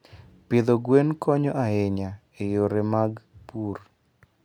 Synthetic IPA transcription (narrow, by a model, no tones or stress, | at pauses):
pɪd̪oɡwenkɔɲɔʔaeɲa | ejoɾemaɡpur